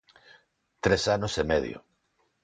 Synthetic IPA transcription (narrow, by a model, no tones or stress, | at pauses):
t̪ɾesanosemeðj̰o̰